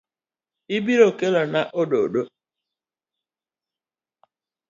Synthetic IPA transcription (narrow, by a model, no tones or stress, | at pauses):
ibiɾokelanaʔoɖo̰ɗo